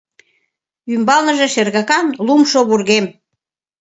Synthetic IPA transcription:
ymbɑlnə̆ʒĕʃerɣɑkɑnlumʃoβurɣem

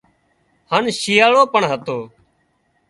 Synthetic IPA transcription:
hənʃiːjaːɭoːpəɳɦət̪oː

